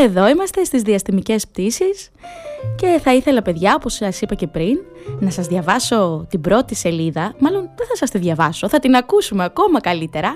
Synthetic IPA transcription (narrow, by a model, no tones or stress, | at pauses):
e̞ðo̞imɐst̪e̞st̪izðiɐst̪imice̞sp̚t̪isis | ce̞θɐiθe̞lɐpe̞ðʝɐo̞po̞sɐsipɐce̞pɾinnɐsɐzðʝɐvɐso̞t̪ibɾo̞t̪ise̞liðɐmɐlo̞nðeθɐsɐst̪iðʝɐvɐso̞θɐt̪inɐkusumeɐko̞mɐkɐlit̪e̞ɾɐ